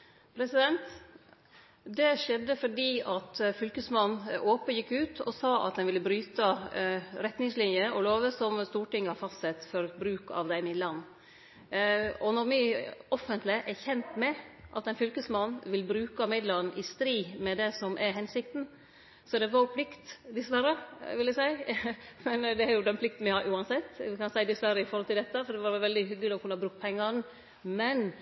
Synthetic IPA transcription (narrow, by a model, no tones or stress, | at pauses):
pʰɾɛsɪd̪ɛnt̪ | d̪ɛʂɛd̪ːəfɔɖiːɑt̪fʏlkəsmɑnnoːpəjɪkːʉːt̪ɔ̰sɑːʔɑ̰t̪̚d̪ɛnʋɪlːəbɾyːt̪ə | ɾɛt̪nɪŋslɪnjəɔloːʋəsɔmst̪uːʈɪŋːhɑɾfɑst̪sɛt̪fɔɾbɾʉːkɑ̰ʋd̪æɪmɪd̪lənː | ɔnɔɾmɪɔfːənt̪lɪʔɛɾçɛnt̪mɛʔɑt̪ːæɛɪnfʏlkəsmɑnːʋɪlbɾʉːkəɑmɪd̪lɑɾnʔɪst̪ɾiːmɛd̪ɛsɔmʔɛɾɦɛnsɪkt̪n̩ | sɔd̪ɛʋɑɾjʊpʰlɪkt̪d̪ɪsʋæɾəʋɪljæsæɪmɛnd̪ɛæɾjʊd̪ɛnpʰlɪkt̪n̩ʋɪhɑʔʉːɑnsɛt̪ːʋɪkɑnsæɪd̪ɪsʋæɾːəɪfɔɾhɔlt̪ɪld̪ɛt̪ːəfɔɾd̪ɛʋɑɾʋɛlʋɛld̪ɪɦʏɡlɪɔkʉnːəɑbɾʉk̚t̪pʰɛŋːɑɾn | mɛn